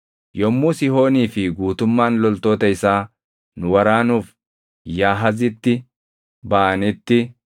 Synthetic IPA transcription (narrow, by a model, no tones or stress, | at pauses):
jɔmːuːsɪho̞ːniːfɪɡuːt̪ʊmːaːnlɔlt̪ːoːt̪ɐjsaː | nʊwɐɾaːnuːf | jaːɦɐzɪt̪ːɪ | baːnɛt̪ːɪ